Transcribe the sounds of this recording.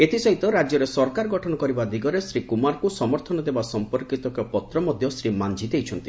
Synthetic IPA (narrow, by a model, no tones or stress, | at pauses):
et̪ʰisɔɦit̪ɔɾad͡ʒjɔɾesɔɾkaɾɡɔʈʰɔnɔkɔɾibad̪iɡɔɾesɾikumaɾkusɔmɔɾt̪ʰɔnɔd̪ebasɔmpɔɾkit̪ɔkɔpɔt̪ɾɔmɔd̪ʱjɔsɾimand͡ʒʱid̪ejt͡ʃʰɔnt̪i